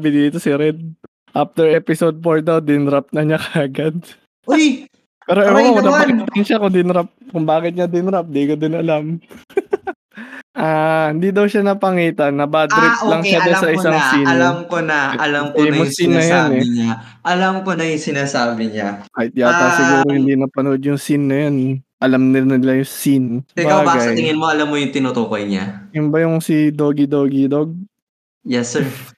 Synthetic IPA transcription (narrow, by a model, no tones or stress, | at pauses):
abɪd̪iːt̪o̞sɪɾɛd̪̚ | ʔaft̪ɛɹʔɛpɪsod̪̚poɹd̪ɐwd̪ɪnɾap̚nɐɲakɐːɡɐd̪̚ | oj | pɛːɾoʔɛwɐlapɐkɪt̪ɐnʃakʊŋd̪ɪnɾap̚kʊŋbaːkɪt̪̚ɲɐd̪ɪnɾap̚d̪ikod̪ɪnɐlam | ʔaːhɪnd̪iːd̪ɐwʃanɐpɐŋiːt̪ɐnːɐbad̪ɾɪktlɐŋʃad̪ɛnsɐʔɪsaŋsiːnloamkonɐʔɐlɐmkomʊsinːɐjonɛɲa | ʔɐlɐmkonɐjʊŋsɪnaːsaːbɪɲakɐɪt̪̚japɐsɪɡuːɾohɪnd̪inɐpɐnoʔod̪jʊŋsinːɐjonʔɐlɐmnɪnɪlɐjʊŋsinɐbaaːɡaasɐjt̪ɪŋɪnmoʔɐlamːojʊŋt̪ɪnot̪oːkojɲa̰jʊnbɐjʊŋsid̪oːɡid̪oːɡid̪oɡ̚ | jɛsɛɹ